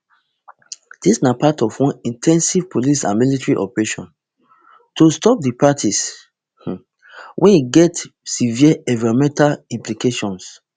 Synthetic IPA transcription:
d̥isnapatɔfwɔ̃nĩntʰɛ̃nsiv̥pʰolisã̰nmilitɹiʔɔpɛɹeʃɔ̰̃n | tostɔp̚dipatʰis | wʔɛ̃niɡɛtsiviaɛvɛɹomɛ̃ntalĩmplikeʃɔ̃ns

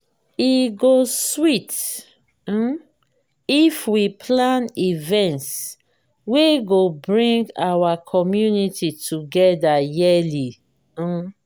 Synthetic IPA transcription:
iɡoswit̩ | ifwipʰlãnivɛ̃nts | weɡobɹĩŋɡawakʰɔmjunititʰuɡɛdajɛli

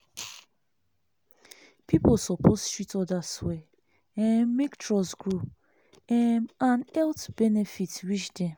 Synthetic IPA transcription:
pʰipolsɔpʰostɹitɔdaswe | ɛ̃miktɹɔsɡɹup | ɛãnɛltbɛnefitɹit͡ʃde

